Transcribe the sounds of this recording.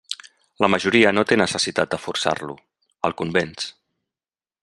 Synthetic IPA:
ləməʒuɾiənot̪enəsəsit̪at̪̚d̪əfursa̰rlṵ | ə̰lˠkumbens

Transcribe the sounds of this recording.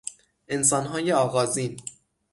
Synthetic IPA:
ʔens̬ɒːnɦɒːjeɒːɣɒːziːn

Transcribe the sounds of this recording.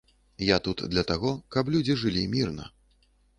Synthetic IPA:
jat̪ut̪d̪lʲɐt̪aɣɔkɐplʲud͡zʲiʐɨlʲimʲirnɐ̰

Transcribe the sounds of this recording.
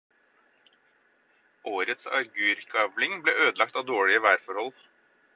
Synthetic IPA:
ʔoːɾət̪sɑ̰ɾɡʉːɾkʰɑblɪŋbleːʔøːd̪əlɑk̚t̪ɑːd̪oːɭɪəʋæːɾfɔɾhɔl

